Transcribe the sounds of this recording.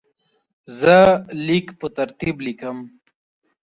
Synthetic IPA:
zəlikpət̪ɐɾt̪iblikəm

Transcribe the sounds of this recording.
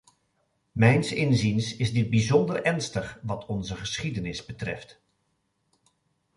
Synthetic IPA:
mɛjnsɪnzinsɪzdɪd̚bizɔndəɹʔɛɹnstəχʋɑtʰɔnzəχəsχidənɪzbətrɛ̰ft

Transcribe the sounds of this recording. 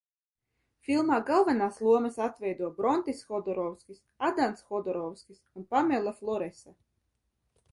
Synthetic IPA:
fʲilˠmaːɡalˠvanaːslˠuɔmɐsat̪vʲɛjd̪uɔbɾɔnt̪isxɔd̪ɔɾɔwskʲis | ad̪ansxɔd̪ɔɾɔwskʲisunpamʲɛlˠaflˠɔɾɛsa

